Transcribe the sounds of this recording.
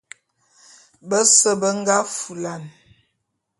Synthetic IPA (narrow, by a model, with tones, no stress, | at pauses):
bə˦sə˦bə˦ŋ˦ɡa˦fu˨la˨n